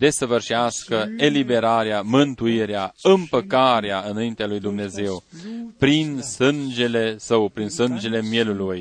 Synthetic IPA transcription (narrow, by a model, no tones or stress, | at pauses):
d̪e̞səvɨrʃaskəe̞libe̞ɾaɾeamɨnt̪uiɾeaɨmpəkaɾeaɨnaint̪ealujd̪umne̞ze̞wpɾinsɨnd͡ʒe̞le̞səwpɾinsɨnd͡ʒe̞le̞mje̞luluj